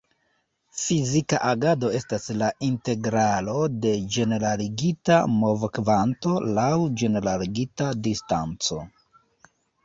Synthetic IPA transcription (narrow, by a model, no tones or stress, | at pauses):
fizikaʔaɡado̞e̞staslaʔinte̞ɡɾalo̞de̞d͡ʒe̞ne̞ɾaliɡita̰mo̞vkvanto̞lawd͡ʒe̞ne̞ɾaliɡitadistant͡so̞̰